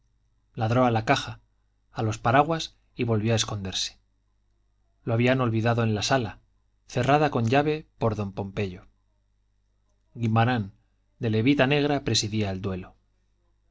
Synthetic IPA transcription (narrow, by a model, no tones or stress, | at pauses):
laðɾo̞alakaxaː | lo̞spaɾaɣwas | iβo̞lβjo̞ae̞sko̞nd̪e̞ɾse̥ | loaβiano̞lβiðaðo̞ẽ̞nlasala | θe̞raðako̞ɲʎaβe̞po̞ɾðo̞mpo̞mpe̞ʎo̞ | ɡimaɾan | d̪e̞le̞βit̪ane̞ɣ̞ɾapɾe̞siðiaeld̪we̞lo̞